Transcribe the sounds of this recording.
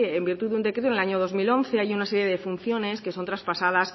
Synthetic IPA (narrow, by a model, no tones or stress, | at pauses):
embiɾt̪uðund̪ekɾet̪onelaɲoð̞o̞zmilo̞nθe̞ajunaseɾje̞ðe̞funθjo̞ne̞ske̞so̞nt̪ɾaspasað̞as